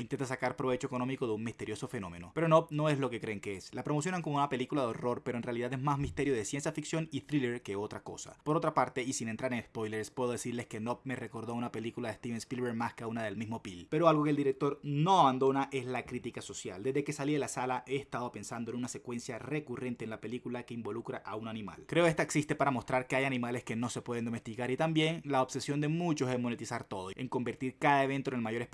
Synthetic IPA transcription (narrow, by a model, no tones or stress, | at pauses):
int̪e̞nt̪asakaɾpɾoβe̞t͡ʃoe̞ko̞nõ̞miko̞ðeuŋmist̪e̞ɾjoso̞fe̞nõ̞me̞̰no̞pe̞ɾonopno̞e̞zlo̞ke̞kɾe̞ːŋkeeslapɾo̞mo̞sjo̞naŋkomounape̞likulaðeo̞ro̞ɾpeɾoenrealiðaðezmazmist̪e̞ɾjo̞ðesje̞nsjafiksjo̞nit̪ɾileɾkeo̞t̪ɾako̞̰sa̰po̞ɾo̞t̪ɾapaɾt̪e̞isinent̪ɾaɾenespo̞jleɾspwe̞ð̞o̞ð̞e̞siɾle̞ske̞nop̚mere̞ko̞ɾð̞o̞unape̞likulaðest̪iβenspilβeɾmaskaunaðe̞lmizmo̞pilpe̞ɾoalɣo̞keld̪iɾek̚t̪o̞ɾno̞aβand̪o̞naʔe̞zlakɾit̪ikaso̞sja̰ld̪e̞zðe̞ke̞saliðelasalaʔe̞ːst̪aðo̞pe̞nsand̪oe̞nunase̞kwe̞nsjare̞kure̞nt̪e̞ːnlape̞likulake̞imbo̞lukɾaʔaunanĩma̰lkɾe̞o̞e̞st̪aeksist̪e̞paɾamo̞st̪ɾaɾke̞ajanĩmale̞ske̞no̞se̞pwe̞ð̞end̪o̞me̞st̪ikaɾit̪ambje̞ŋlaoβse̞sjo̞nd̪e̞mũt͡ʃo̞se̞zmo̞ne̞t̪isaɾt̪o̞ð̞oe̞ŋko̞mbe̞ɾt̪iɾkaðae̞βe̞nt̪oenelmaʝo̞ɾe